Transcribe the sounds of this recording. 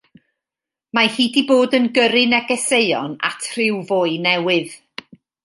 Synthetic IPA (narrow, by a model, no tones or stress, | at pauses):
mahiːdiboːdənɡəɾɨnɛɡɛseɨɔ̰na̰tʰr̥ɪwvoːɨnɛwɨð̥